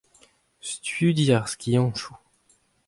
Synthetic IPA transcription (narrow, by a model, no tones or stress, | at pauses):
st̪ɥyd̪jaʁskʰʲiɑ̃ʃu